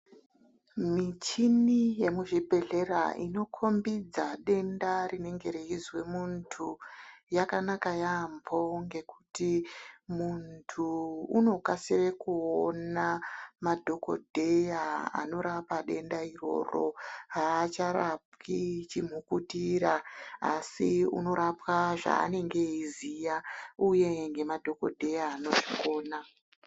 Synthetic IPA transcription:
mit͡ʃinijemuʐibʱe̞ɮe̞ra̰ino̞kʰo̞mbid͡zaɗe̞ndarine̞ŋɡe̞ɾeɦizwe̞muntʰujakanakajambo̞ŋɡe̞kutimuntʰuːno̞kasire̞kuonamadʱo̞ko̞̰dʱe̞jaa̰no̞ɾapaɗe̞ndairo̞̰ro̞̰ɦaːt͡ʃaɾap̚kit͡ʃim̤ukutiɾaa̰siṵno̞ɾapwaʐa̰ːne̞ŋɡe̞izijauje̞ŋɡe̞madʱo̞ko̞̰dʱe̞jaːno̞ʐiko̞ːna

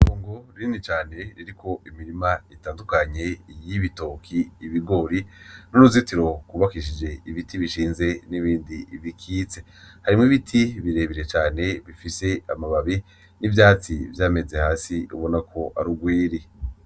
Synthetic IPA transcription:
noːŋɡo̞ɾinit͡ʃaːne̞ɾiɾikʰo̞ʔimiɾimaitaːndukaɲe̞jiβito̞kʰiːβiɡo̞ɾinunuzitiɾo̞kuβakiʃid͡ʒe̞iβitʰiβiʃiːnze̞niβiːndiβikʰiːt͡se̞ | haɾimŋiβitʰiβiɾe̞βiɾe̞t͡ʃaːne̞βifise̞amaβaβi | nivjaːt͡sivjaːme̞ze̞haːsiṵβo̞nakʰo̞ʔa̰ɾuɡwiːɾi

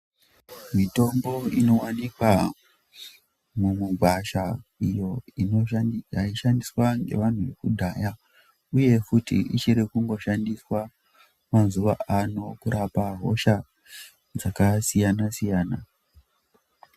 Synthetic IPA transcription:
mito̞mbo̞ino̞wanikwa | mumuɡʱwaʃaijo̞ijaiʃandiswaŋɡe̞̰ʋan̤uʋekudʱaːja | uje̞kutḭʔit͡ʃiɾekuŋɡo̞ʃandiswa | manzuʋaʔano̞kuɾapaɦo̞̰ʃa | d͡zakasijanasijaːna

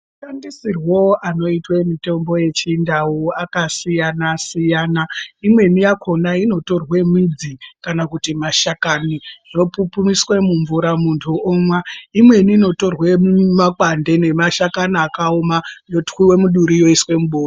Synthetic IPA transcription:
uʃandisirwoʔano̞itwemite̞mbo̞je̞t͡ʃiːndawoakasijanasijaːnaimwe̞nijakʰo̞naino̞to̞rwe̞mwid͡zikanakutimaʃakaniʐo̞pupumiswe̞muɱvuɾamuntʰuomwaimwe̞niːno̞to̞rwe̞mumakwande̞ne̞maʃakaniakaomajotwiwe̞muɗuɾijo̞iswe̞muɓoːr

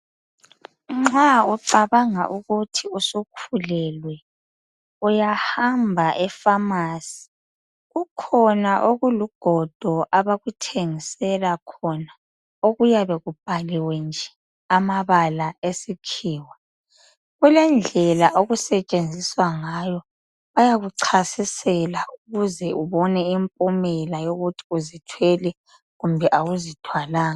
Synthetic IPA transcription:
ŋ͡ǁauǃaβaŋa̰ʔuɣutʰiusukʰulɛlwɛ | ujahambʱaʔɛfamaːsi̥ | ɣukʰɔnaʔoɣuluɡ̥ʱɔd̥ʱɔʔaβaɣutʰeŋisɛlakʰɔna | oɣujaβɛɣub̥ʱaliwɛnd͡ʒʱɛ̥ | amaβalaesikʰiːwa | ɣulɛnd͡ɮʱɛlaʔoɣusɛt͡ʃʼend͡zʱiswaŋajɔ | βajaɣuǀʰasisɛlauɣuzɛʔuβɔnɛimpʼumɛlajoɣutʰi̥uzitʰwɛlɛ | ɣumbʱɛʔawuzitʰwalaːŋa

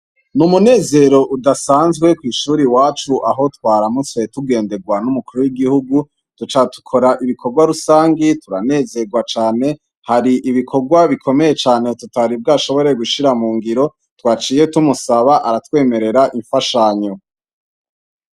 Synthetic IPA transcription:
numune̞ːze̞ɾo̞ʔudasaːnzɡwe̞kwiːʃuːɾiwaːt͡ʃuʔaɦo̞twaːɾamut͡se̞tuɡe̞ːnde̞ɡwanumukuɾuwiɡihuɡu | tut͡ʃatu̥kʰo̞ɾaʔiβikʰo̞ɾɡwaɾusaːŋɡituɾane̞ːze̞ɡwat͡ʃaːne̞ | haɾiʔiβikʰo̞ɾɡwaβikʰo̞me̞je̞t͡ʃaːne̞tutaɾib̚ɡaʃo̞βo̞ɾe̞ɡuʃiɾamuːŋɡiɾo̞ | twaːt͡ʃiːje̞tumusaβaʔaɾatwe̞ːme̞ɾe̞ɾaʔiɱfaʃaɲo

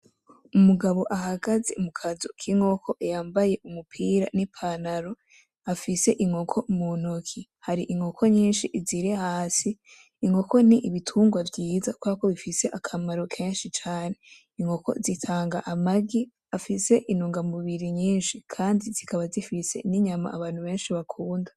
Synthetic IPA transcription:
umuɡaβo̞ʔaɦaɡazemukʰazukʰiŋo̞kʰo̞ʔejaːmbaje̞ʔumupʰiːɾa̰nipʰanaɾo̞ | afise̞ʔiŋhokʰo̞munokʰihaɾiʔiŋo̞kʰo̞ɲiːnʃiʔziɾehaːsiː | ŋo̞ko̞niʔiβitʰuːŋɡwavɟiːzakwakoβifise̞ʔakʰamaɾo̞kʰe̞ːnʃit͡ʃaːne̞ | iŋo̞ko̞̰zitʰaːŋɡaʔamaɡi | afise̞ʔinoːŋɡamuβiɾiɲiːnʃikʰaːndizikʰaβazifise̞̰niɲama̰ʔːβaːn̥huβe̞ːnʃiβakʰuːnda

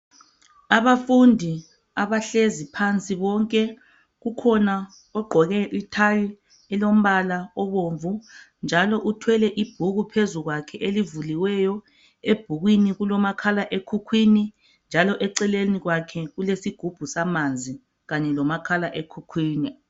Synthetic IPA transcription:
aβafundʱi | aβaɬezipʰant͡sʼiβɔŋkʼɛ | ɣukʰɔna | ɔɡ͡ǃʱɔɣɛʔitʰaji | ɛlom̩βalaɔβoɱvu | nd͡ʒʱalɔʔutʰwɛlɛʔib̥ʱuɣupʰezuɣwakʰɛʔelivuliwɛjɔ | eb̥ʱuɣwiniɣulɔmakʰalaʔekʰukʰwini | nd͡ʒʱalɔʔɛǀɛleniɣwakʰɛɣulesiɡ̥ʱub̥ʱusamand͡zʱi | ɣaɲɛlɔmakʰalaʔekʰukʰwiːni

